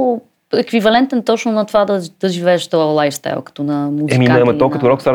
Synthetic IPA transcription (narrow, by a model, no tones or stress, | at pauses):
ekwivɐlˠẽnt̪ẽnt̪ɐ̃wʃnɔt̪vaðɐd̪ɐʒivɛʃt̪lˠajst̪a̰lˠkt̪unɐmuzɛiminɐmɐt̪ɔkɐt̪ɣɾɔkt̪aɾ